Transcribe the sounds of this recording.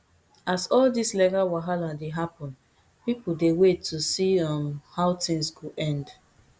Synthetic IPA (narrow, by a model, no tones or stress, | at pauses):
asɔldislɛkawaɦaladeɦapɔ̃n | pipodewetʰːusiɔ̃nhaʊtĩŋsɡoʔɛ̃nd